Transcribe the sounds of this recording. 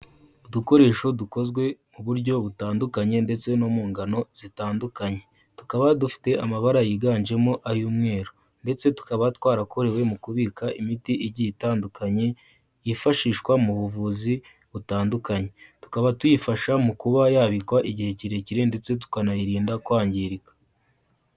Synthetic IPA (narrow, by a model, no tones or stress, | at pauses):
uduko̞ɾe̞ːʃo̞duko̞zɡwe̞muβuɾɟo̞βutaːndukaɲe̞nde̞t͡seno̞muːŋɡano̞z̥itaːndukaɲe̞ | tu̥kaβadufi̥te̞amaβaɾajiɡaːnʒe̞moʔajuːmŋe̞ːɾo | nde̞t͡se̞tu̥kaβatwaːɾako̞ɾe̞we̞mukuβiːkaʔimitiʔiɟiitaːndukaɲe̞ | jifaʃiːʃkwamuβuvuːzi | βutaːndukaɲe̞tu̥kaβatwjifaʃamukuβajaβikwaʔiɟihe̞ciɾe̞ciɾende̞t͡se̞t̬u̥kanajiɾiːndakwaːɲɟiɾikḁ